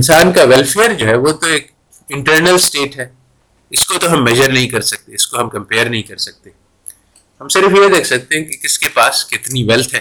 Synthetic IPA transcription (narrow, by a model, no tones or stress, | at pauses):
ɪ̃nsaːnkaʋɛlfeːəɾd͡ʒoːɦɛʋot̪oeːk | ɪ̃ɳʈəɾnəlsʈeːʈɦɛː | ɪskot̪oɦɐmːɛʒəɾnɐɦĩkɐɾsɐk̚t̪eɪskoɦɐ̃mkɐ̃mpeːəɾnɐɦĩkɐɾsɐk̚t̪e | ɦɐmsɪɾfjed̪eːkʰsɐk̚t̪ẽɦɛ̃kikɪskepaːskɪt̪niʋɛlt̪ʰɦɛː